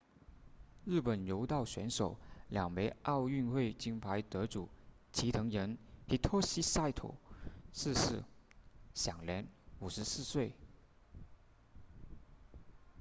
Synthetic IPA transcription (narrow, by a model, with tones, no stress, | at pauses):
ɻ̩˥˩pə˨˩njo˧˥ʊt̪ɑ˥˩ʊɕɥɛ˧˥nʂo˨˩ʊljɑ˨˩ŋme˧˥ɪʔɑ˥˧ʊy˥˧nxwe˥˩ɪt͡ɕi˥ŋpʰa˧˥ɪt̪ɤ˧˥ʈ͡ʂu˨˩˦ | t͡ɕʰi˧˥t̪ʰɤ˧˥ŋɻə˧˥nhʰi˧˥t̪ʰɔ˥ɕi˥sa˥˧ɪt̪ʰo̰˨˩s̩˥˧ʂɻ̩˥˩ | ɕjɑ˨˩ŋljɛ˧˥nu˨˩ʂɻ̩˧˥sɹ̩˥˧swe˥˩ɪ